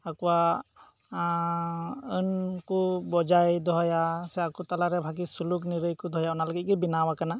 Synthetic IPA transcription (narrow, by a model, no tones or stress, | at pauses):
akuwa | ənkubɔd͡ʒajd̪ɔɦɔjasɛakut̪alaɾɛbʱak̬isuluk̬niɾɯjkud̪ʱɔjaɔnalɔɡit̚kibinawakana